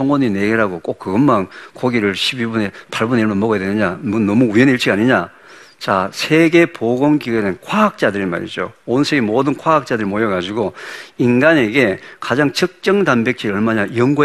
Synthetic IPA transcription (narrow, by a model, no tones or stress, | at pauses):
oŋʌnɲineɡeɾaɡok͈ok͈ːɯɡʌnmankoɡiɾɯɭɕʰibibune̞pʰaɭbuneiɭmonmʌɡʌjadwenɯɲamonːʌmuujeniɭt͡ɕ͈iɡaɲiɲa | t͡ɕasʰe̞ɡe̞poɡoŋɡienɯnkʰwaɦak̚t͡ɕ͈adɯɾima̰ɾḭd͡ʑo̰onsʰe̞ɡe̞modɯnkʰwaɦak̚t͡ɕ͈adɯɾimojʌɡad͡ʑiɡoinɡane̞ɡe̞kad͡ʑaŋt͡ɕɯk̚t͡ɕ͈ʌŋdanbek̚t͡ɕ͈ʰiʌɭmanajʌŋɡo